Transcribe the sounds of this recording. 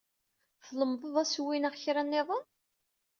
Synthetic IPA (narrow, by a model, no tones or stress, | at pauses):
fləmðˤəðˤæswinæʁçɾænːɪðˤən